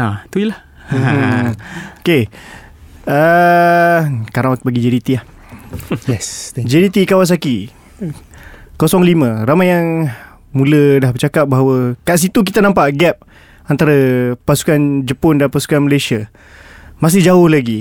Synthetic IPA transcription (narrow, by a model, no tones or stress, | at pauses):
at̪uilah | oke | ə | kaɾaŋbaɡid͡ʒɛɾit̪iah | jɛsd͡ʒɛɾit̪ikawas̬aki | kosɔŋlimə̃ɾamajjaŋ | mũlədahbət͡ʃakap̚baɦawəkaʔs̬it̪uk̬it̪anãmpaʔɡɛp̚ | ant̪aɾapasu̥kand͡ʒəpɔndanpasu̥kanməlajsia | mas̬ɪhd͡ʒaʊhlaɡi